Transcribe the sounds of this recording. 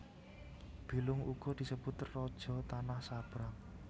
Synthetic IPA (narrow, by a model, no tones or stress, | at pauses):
b̥i̤lʊŋuɡ̥ɔ̤d̪̥i̤səb̥ut̪rɔd̥ʒ̥ɔ̤t̪anahsab̥ɾaŋ